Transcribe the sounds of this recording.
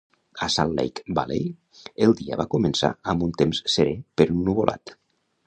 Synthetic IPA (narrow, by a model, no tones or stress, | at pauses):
əsanlḛjkba̰lej | elˠd̪ia̰βakumənsa̰əmbunt̪emsːeɾepeɾunnːuβolʔa̰t̪